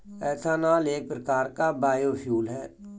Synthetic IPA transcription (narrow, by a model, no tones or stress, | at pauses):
ɛːsanaːleːk̚pɾəkaːɾkabaːjoːpʰjuːlɦɛː